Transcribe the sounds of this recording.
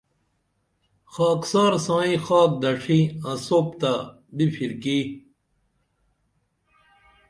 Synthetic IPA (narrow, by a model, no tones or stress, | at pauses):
xaːksaːɾsãːĩxaːk̚d̪ɐʂʰiasoːpt̪a | bifʰiɾki